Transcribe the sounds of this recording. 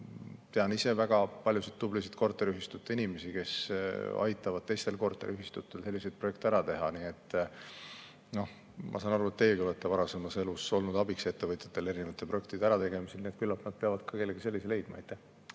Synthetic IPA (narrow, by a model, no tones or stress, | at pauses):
t̪e̞ɑnise̞væɡ̥ɑpɑlʲjusid̪̚ːublis̬it̪̚ko̞rt̪ːˑeɾyɦist̪ut̪ːˑeinʲime̞sike̞sɑ̰jt̪ːˑɑvɑd̪̥̚t̪e̞jst̪e̞lko̞rt̪ːˑeɾʔyɦist̪ut̪ːˑe̞lse̞lːise̞jd̪̥̚pro̞jek̚t̪eæɾɑt̪e̞ɦɑnie̞t̪ːˑ | no̞h | mʔɑ̰sɑːnɑɾuet̪ːeːɡivɤt̪ːˑevɑɾɑse̞mɑse̞luso̞lnud̪ɑbikse̞t̪ːe̞vɤt̪ʲˑjɑt̪ːˑe̞le̞ɾinevɑt̪ːˑeproe̞kt̪id̪̥æɾɑt̪e̞ɡ̥e̞miselniet̪̚kylːɑt̪nɑd̪̥̚peɑvɑd̪̥kɑkelːeɡ̥ise̞lʲːisele̞jd̪̥̚mɑejt̪ˑːæh